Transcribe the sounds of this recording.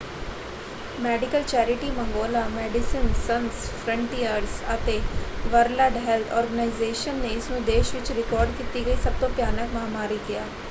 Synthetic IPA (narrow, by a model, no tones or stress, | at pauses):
mɛːɖɪkəlt͡ʃɛːɾɪʈimə̃ŋɡoːlamɛːɖɪsɪnsənspʰɾə̃ɳʈiːəɾsət̪eʋəɾləɖɦɛlt̪ʰɔːɾɡənaːɪzeːʃənːeɪsnũd̪eːʃʋɪt͡ʃɾɪkɔːɾɖkiːt̪iɡəisɐb̚t̪õpjaːnəkmaɦamaːɾiɡɪjaː